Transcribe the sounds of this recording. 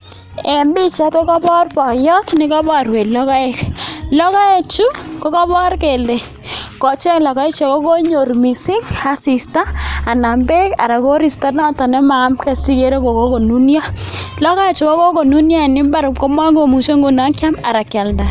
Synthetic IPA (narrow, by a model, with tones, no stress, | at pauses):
ɛ˨mbi˦t͡ʃa˦to˦kɔ˦bɔ˦rpɔ˨jɔ˦tnɪ˦ka˦bɔ˦ɾwe˨lɔ˦ka˦ɪ˨˦klɔ˦ka˦e˦˨t͡ʃu˦kɔ˦kɔ˦bɔ˦rke˨lde˨ | kɔ˨t͡ʃɛ˦klɔ˨ka˦ɪ˦t͡ʃa˨ko˦ko˦ɲo˨rmi˨sɪ˦ŋa˨si˨staː˦˨na˨mbe˦ka̰˨ɾa˨ko˦ɾi˨sta˦nɔ˦tɔ˨nɛ˦ma˨˦mkɛ˨si˦ke˦ɾe˦ko˨ko˦ko˨nu˦nja˦lɔ˦ka˦e˦t͡ʃu˨ko˦ko˦ko˨nu˦nja˦˨nɪ˦mba˦ɾʊ˨p̚kɔ˦mwa˦ŋɡo˨mu˨ʃo˦ŋɡo˨na˦ŋkja˦ma˨ɾa˨kja˨lda˨